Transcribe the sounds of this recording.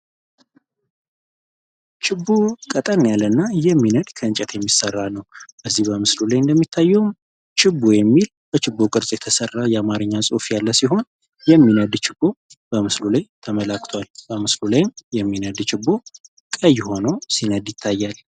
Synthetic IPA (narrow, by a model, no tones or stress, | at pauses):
t͡ʃʰɪbːokʼət̪ʼənːejalːənːajɛmːinəd̪kʰəɨɲt͡ʃʼɛt̪ʰjɛmːisərːanəwb̥əzːihbəmɨslulajɨnd̪əmːit̪ʰːajːɛwm | t͡ʃʰʼɪbːojɛmːil | b̥ət͡ʃɪbːokʼɨɾsʼjɛt̪ʰəsərːajɛamaɾɨɲːasʼo̰fjalːəsiɦo̞n | jɛmːinəd̪t͡ʃɪbːo̞ | b̥əmɨslulajt̪ʰəməlakt̪ʰwalbəmɨslulajmjɛmːinəd̪t͡ʃɪbːo̞ | kʼəjːho̞nəwsinəd̪jɪt̪ʰːajːal